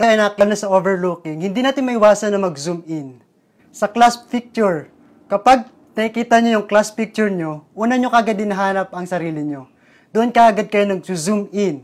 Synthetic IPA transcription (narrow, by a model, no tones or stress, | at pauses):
kɐɐjnakɐlnɐsɐʔoːvɛɹlukɪŋhɪnd̪inaːt̪ɪnmɐʔɪwaːsɐnːɐŋmɐɡzumɪn | sɐklaspik̚t͡ʃʊɹ | kɐpaɡ̚ | nɐkɪkiːt̪ɐɲojʊŋklaspik̚t͡ʃʊɹɲo̞ʔuːnɐɲokɐʔɐɡad̪ɪnɐɦaːnɐp̚ɐŋsɐɾiːlɪɲo̞ | d̪ʊʔonkɐʔɐɡad̪̚kɐjonɐɡsuzumʔɪn